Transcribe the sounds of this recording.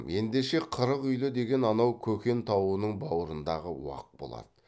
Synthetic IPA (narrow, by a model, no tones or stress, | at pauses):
me̞nd̪e̞ʃe̞qʰəɾəqʏjləd̪e̞ɡʲe̞nɑnɑwkʲʰɵkʲe̞nt̪ʰɑwuənəɴbɑwəɾənd̪ɑʁəwɑ̰q̚t̪̚bo̞̰lˠɑ̰d̪̥ə